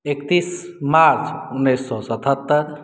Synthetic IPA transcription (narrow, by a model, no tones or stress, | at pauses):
ekt̪ismaɾt͡sunːesːɔsɐt̪ʰat̪ːəɾ